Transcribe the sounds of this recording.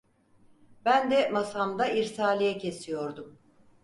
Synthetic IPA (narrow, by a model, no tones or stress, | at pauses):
bænd̪ɛmasamd̪aiɾsaːlʲijɛcʰe̞sijo̞ɾd̪um